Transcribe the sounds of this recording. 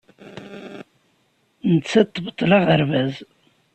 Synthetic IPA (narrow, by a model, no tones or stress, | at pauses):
nət͡sːæt̪ːbət̪ˤːlɑʁəɾvæz